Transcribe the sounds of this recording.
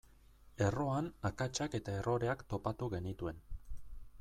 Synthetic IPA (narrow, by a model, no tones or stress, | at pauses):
e̞ro̞anakat͡ʃake̞t̪ae̞ro̞ɾe̞akt̪o̞pat̪uɣe̞nit̪ue̞n